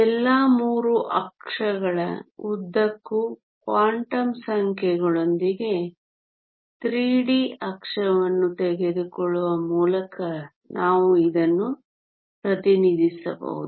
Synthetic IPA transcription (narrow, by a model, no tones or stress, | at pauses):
ɛlːaːmuːɾuʔɐkʂɐɡɐɭɐ̰ud̪ːɐkːu | kʋaːɳʈɐmsɐŋkʰjɛɡɐɭo̞nd̪iɡe̞ | t̪ɾiːɽiɐkʂɐʋɐnːut̪ɛɡed̪ukɔɭːuʋɐmuːlɐkɐ | nʔaːʋuid̪ɐnːu | pɾɐt̪inid̪isɐ̰bɐ̰ʋṵd̪u